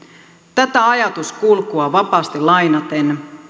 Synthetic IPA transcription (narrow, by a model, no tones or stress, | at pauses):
t̪æt̪æɑjɑt̪uskulkuɑʋɑpɑːst̪ilɑjnɑt̪en